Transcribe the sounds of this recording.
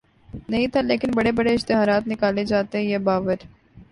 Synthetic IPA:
nɐɦĩt̪ʰaleːkɪnbɐɽebɐɽeɪʃt̪ɪɦaːɾaːt̪nɪkaːled͡ʒaːt̪eɦjeːbaːʋəɾ

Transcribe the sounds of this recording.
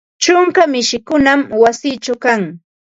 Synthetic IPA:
t͡ʃʊŋkamɪʃɪkʊnamwasiːt͡ʃawkaŋ

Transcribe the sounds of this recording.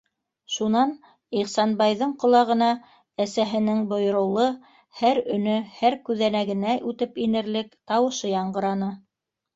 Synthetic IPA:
ʃunɑn | iχsɑnbɑjðɤɴqŏlˠɑʁɤ̆nɑ | æsæɦɘ̆nɘŋbŏjŏɾɤ̆wlˠɤ | hæɾɵ̆nɵhæɾkʉðænæɡɘ̆næʔʉt̪ɘpinɘ̆ɾlɘkt̪ɑwɤ̆ʃɤjɑɴɢɤ̆ɾɑnɤ

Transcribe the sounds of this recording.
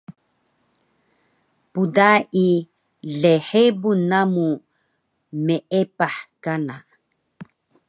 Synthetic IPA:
pudaʔi | ɮeħebunamu | meʔepaħkana

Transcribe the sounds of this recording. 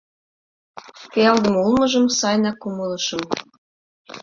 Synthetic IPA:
keɑld̪ə̆mulˠmɤ̆ʒɤ̆msɑjnɑkumɤlɤ̆ʃɤ̆m

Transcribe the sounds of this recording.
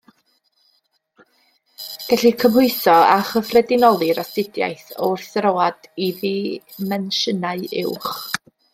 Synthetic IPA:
ɡ̥ɛɬikʰəmhʊɨθɔaχəfrɛdɪnɔlˠɨɾɔstɪdja̰jθɔɪrθrowad̥iði | mɛnʃənaɨɪ̰wχ

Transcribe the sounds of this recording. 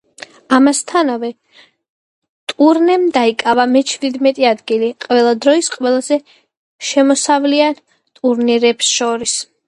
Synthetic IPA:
amast̪ʰanavɛ | t̪ʼuɾnɛmd̪aikʼavamɛt͡ʃʰvid̪mɛt̪ʼiad̪ɡiliqʼvɛlˠad̪ɾɔisqʼwɛlˠazɛ | ʃɛmɔsavlian | t̪ʼuɾniɾɛbsʃɔɾis

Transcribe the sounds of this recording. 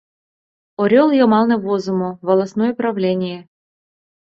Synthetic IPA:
ɔɾʲɔlˠjɔmalˠnɛvɔzʊmʊvɐlˠɐsnɔjɛpɾɐvlʲenʲɪjə

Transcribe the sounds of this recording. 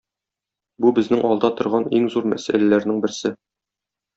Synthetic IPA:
bubɘ̆znɘŋʔɒlˠd̪ɑt̪ŏɾʁɑniŋzuɾmæ̰sæ̰lælæɾnɘŋbɘ̆ɾsɘ

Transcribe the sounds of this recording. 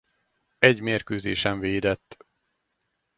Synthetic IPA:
ɛɟmeːrkøːzḛːʃɛɱveːd̪ɛt̪ː

